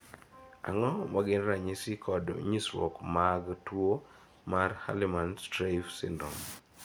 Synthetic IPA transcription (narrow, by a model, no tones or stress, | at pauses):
a̰ŋɔmaɡɪnɾaɲɪsɪkʰɔdo̰ɲiswɔ̰kmaɡtwo | marha̰lɪmanstɾaɪfsɪ̰ndɔm